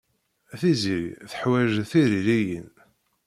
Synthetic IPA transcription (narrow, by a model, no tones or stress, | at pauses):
æθiziθə̥ħwæʒθiɾilijən